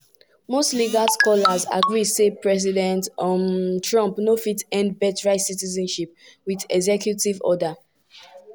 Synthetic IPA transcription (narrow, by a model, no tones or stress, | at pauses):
mostliɡalskɔlaza̰ɡɹisepɹɛz̬idɛ̃nt | tɹɔ̃mpnofitɛ̃ndbɛtɹaɪtsitizɛ̃nʃip̚ | wiðɛɡzɛkʰjutivɔ̰da